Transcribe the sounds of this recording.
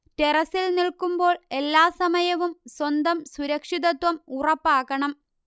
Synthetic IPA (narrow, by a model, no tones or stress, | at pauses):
terɐsilniɭkumbo̞ːɭe̞lːaːsɐmɐjɐʋumswɐnd̪ɐmsuɾɐkʂiðɐt̪wɐmurɐpːaːɣɐɳɐm